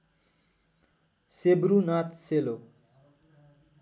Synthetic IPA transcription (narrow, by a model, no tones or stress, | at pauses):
sebɾunat̪ʰselo